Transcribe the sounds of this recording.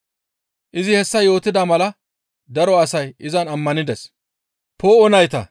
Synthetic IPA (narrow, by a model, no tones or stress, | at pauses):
ʔɪzɪhɛsːɐjo̞ːt̪ːɪd̪ɐmɐlɐ | d̪ɐɾɔɐsɐjɪzɐnɐmːɐnɪd̪ɛs | poːɔnɐjt̪ɐ̰